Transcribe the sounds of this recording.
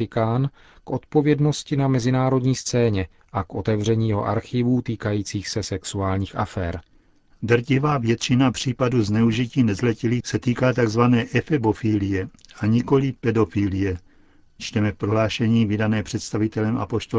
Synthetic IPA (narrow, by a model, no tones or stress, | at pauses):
ɪkaːn | kʔo̞t̪po̞vjɛdno̞scɪnamɛzɪnaːɾo̞dɲiːst͡sɛːɲɛ | ʔakʔo̞t̪ɛvr̝ɛɲiːjɛɦo̞̰ʔa̰ɾxɪvuːt̪iːkajiːt͡siːxsɛsɛksuaːlɲiːxʔa̰fɛ̰ːɾ | dr̩cɪvaːvjɛt̪t͡ʃɪnapr̝̥iːpaduznɛuʒiciːnɛzlɛcilisɛt̪iːkaːt̪aɡzvanɛːʔɛfɛbo̞filɪjɛaɲɪko̞lɪpɛdo̞filɪjɛ | t͡ʃt̪ɛmɛfpɾoɦlaːʃɛɲiːvɪdanɛːpr̝̥ɛt̪st̪avɪt̪ɛlɛmʔa̰po̞ʃt̪o